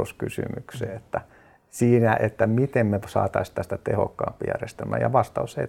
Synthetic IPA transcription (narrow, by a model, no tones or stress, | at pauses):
oskysy̰mykseːet̪ːæ | siːnæʔet̪ːæmit̪emmesɑ̰ːt̪ɑist̪ːæst̪æt̪eho̰kːɑ̰ːmpːijæ̰rest̪æmːæ̰ːjɑʋɑst̪ɑusḛi